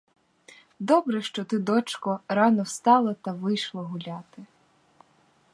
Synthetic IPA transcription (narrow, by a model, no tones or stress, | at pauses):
d̪ɔbɾɛʃt͡ʃɔt̪ɪd̪ɔt͡ʃkɔɾɑnɔwst̪ɑlˠɐt̪ɐʋɪjʃlˠɔɦʊlʲɑt̪ɪ